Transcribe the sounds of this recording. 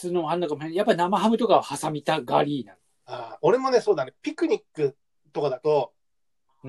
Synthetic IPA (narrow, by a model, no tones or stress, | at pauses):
t͡sɨːnoɦãnːakamoɕejapːanamaɦamɯ̟t̪o̞kaahasamʲit̪aɡa̰ɾʲiːnãn | aːoɾe̞mo̞ne̞so̞ːd̪anepʲikɯ̟ɲ̟ikːɯ̟ | t̪okad̪at̪o̞